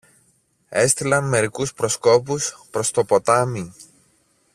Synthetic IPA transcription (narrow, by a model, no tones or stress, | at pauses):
e̞st̪ilɐnme̞ɾikuspɾo̞sko̞puspɾo̞st̪o̞po̞t̪ɐmi